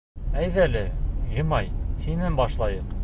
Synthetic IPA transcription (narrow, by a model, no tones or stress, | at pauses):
æjðælɘjɤ̆mɑjhinænbɒʃlˠɑjɤq